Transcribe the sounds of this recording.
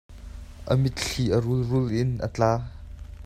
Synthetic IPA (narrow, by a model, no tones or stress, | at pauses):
ʔə̰mɪt̪̚ɬiʔəɾʊlrʊlʔɪnʔə̰t͡ɬaː